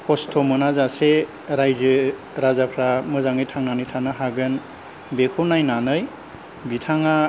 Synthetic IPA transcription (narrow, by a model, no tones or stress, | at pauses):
kʰɔstʰɔmɯnazase | ɾajzɯ | ɾazapʰɾamɯzaŋɯjtʰaŋnanijtʰanɯɦaɡɯn | bekʰɔnajnanɯj | bitʰaŋa